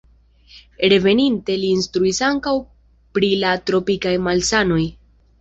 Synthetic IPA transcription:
ɾe̞ve̞ninte̞liːnstɾuisaŋkaw | pɾilatɾo̞pikajmalsano̞j

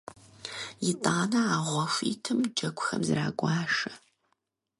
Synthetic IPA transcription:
jɪtʼaːnɐaːʁʷɔfʷiːtʰɨmd͡ʒɐkʷʼʊxɐmzɨɾa̰ːɡʷɑːʂɐ

